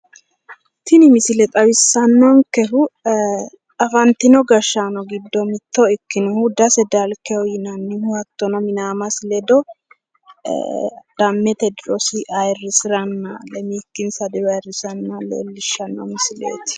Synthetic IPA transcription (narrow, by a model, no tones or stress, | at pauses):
t̪ʰɪnɪmɪsɪlɛt̪ʼɐβɪsːɐnːɔŋkɛɦʊ | ɐfɐnt̪ːɪnɔɡɐʃːanɔɡɪd̪ːɔmɪt̪ːɔɪkːɪnʊhud̪ɐsɛd̪alkɛɔjɪnɐnːɪnʊhɐt̪ːɔnɔmɪnaːmɐslɛd̪ɔ | d̪̥ɐmːɛt̪ɛd̪ɪɾɔsɪʔɐjrːɪsɪɾɐnːɐlɛmiːkːɪnsɐd̪ɪwɐjrɪsɐnːɐlḛlːɪʃːɐnːɔ̰mɪsɪlḛːt̪ɪ̥